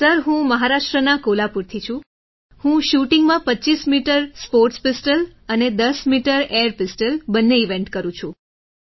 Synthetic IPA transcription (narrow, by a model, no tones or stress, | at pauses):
səɾɦũməɦaɾaʃʈɾənakolapuɾt̪ʰit͡ʃʰũ | hũʃuʈiŋɡmãpəːt͡ʃismiʈəɾspoɾʈspɪsʈələned̪əsmiʈəɾeəɾpɪsʈəlbənːeiʋẽɳʈkəɾũt͡ʃʰũ